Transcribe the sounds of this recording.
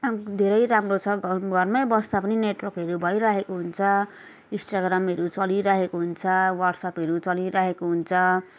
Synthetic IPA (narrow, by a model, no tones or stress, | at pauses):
ad̪ʱeɾʌjɾamrot͡sʰʌɡʱʌrmʌjbʌst̪apʌnineʈwʌrkɦʌɾubʱʌjɾaɦekoɦunt͡sʰʌ | ĩsʈaɡramʌɾut͡sʌliɾaɦekoɦunt͡sʰʌwʌrʈsʌpɦʌɾut͡sʌliɾaɦekoɦunt͡sʰʌ